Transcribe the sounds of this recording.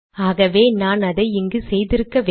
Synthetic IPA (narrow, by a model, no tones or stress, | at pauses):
aːɣɐʋeːnaːnɐðɐɪɪŋɡɯsɛjðɪɾɯkːɐʋ